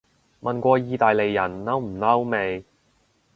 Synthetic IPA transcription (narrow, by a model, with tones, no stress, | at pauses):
mʔɐ˨nkʷɔː˧jiː˧t̪aː˨jle˨jːɐ˨˩nːɐ˥wm̩˨˩nɐ˥wme˨˧j